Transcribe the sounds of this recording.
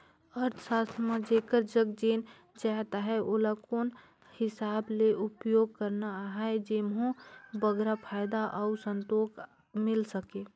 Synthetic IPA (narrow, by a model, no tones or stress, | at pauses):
əɾt̪ʰsaːsʰməd͡ʒekəɾd͡ʒəɡd͡ʒeːn | d͡ʒaɦt̪aɦɛʔolakoːn | hɪsaːbleʔʊpjoːɡ̚kəɾnaɦɛed͡ʒɪmɦũbəɡɾapʰaːɪd̪aʔaʊsə̃nt̪oːk | mɪlsəkeː